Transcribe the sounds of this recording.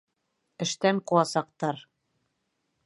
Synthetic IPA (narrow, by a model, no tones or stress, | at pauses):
ɘ̆ʃt̪æŋqŭlˠɑsɑq̚t̪ɑɾ